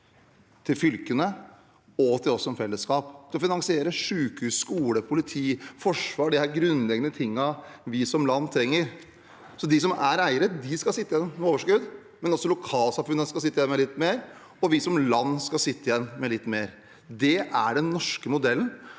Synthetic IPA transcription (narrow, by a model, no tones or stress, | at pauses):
t̪ʰɪlfʏlkənə | ɔt̪ʰɪlɔsɔmfɛlːəskɑːpd̪̥ɛɔfɪnɑŋsɪeːɾəʂʉːkhʉːsskuːləpʰʊlɪt̪ʰiːfɔʂʋɑːɖɛhæɾɡɾʉnːlɛɡənət̪ʰɪŋːɑʋɪsɔmlɑnːt̪ʰɾɛŋːəɾ | sɔd̪ɪs̬ɔmæɾæɪəɾəd̪ɪskɑsɪt̪ːɪjɛnːmɛoːʋəʂkʉd̪ | mɛnɔsːɔlʊkʰɑːlsɑmfʉnːəskɑsɪt̪ːɪjɛnmɛlɪt̪ːmeːɾ | ɔʋɪsɔmlɑnːskɑsɪt̪ːəɪjɛnːmɛlɪt̪ːmeːɾ | d̪ɛʔæɖɛnːɔʂkəmʊd̪ɛlːən̩